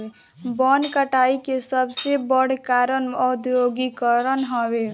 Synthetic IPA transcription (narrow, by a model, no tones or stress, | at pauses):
bənkəʈaikesəbsebəɽ̤kaɾənɔd̪joɡikəɾənɦɔbe